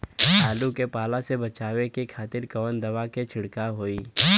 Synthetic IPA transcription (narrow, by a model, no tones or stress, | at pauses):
taːlukepaːlasebɐt͡ʃaːwekikʰaːt̪ɪɾkɐʋənd̪ɐʋaket͡ʃʰɪɽkaɦoːiː